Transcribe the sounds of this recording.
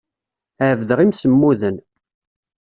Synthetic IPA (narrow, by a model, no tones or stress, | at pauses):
əʕvd̪əʁimsəmːuðən